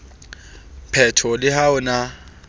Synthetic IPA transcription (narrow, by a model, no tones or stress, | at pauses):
pʰɛtʰɔlɪhaʊna